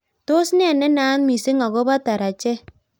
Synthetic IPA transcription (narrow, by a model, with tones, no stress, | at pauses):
to˦sn˦a˨nːɛ˦na˦nmi˨se˦ŋa˨ɡo˦ba˦ta˨ɾa˨t͡ʃe˦